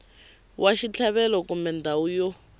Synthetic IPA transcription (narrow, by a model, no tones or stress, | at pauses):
wʔaʃit͡ɬʰaβɛlɔkumbɛndaujɔ